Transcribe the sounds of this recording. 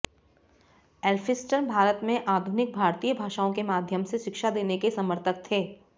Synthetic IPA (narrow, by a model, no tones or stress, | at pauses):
ɛːlfʰɪsʈənbʱaːɾət̪mẽʔaːd̪ʱʊnɪk̚bʱaːɾt̪iːjəbʱaːʃaːõkemaːd̪ʱjəmseʃɪkʃad̪eːnekesɐməɾt̪ʰək̚t̪ʰeː